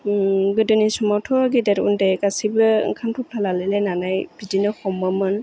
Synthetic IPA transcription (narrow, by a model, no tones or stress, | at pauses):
ɡɯdɯnisɔmɔtʰɔɡidɛɾṵndɛkasibɯkʰanpʰup̚ʰlalalɛlɛnanajb̥idinɔxɔmɔmɯn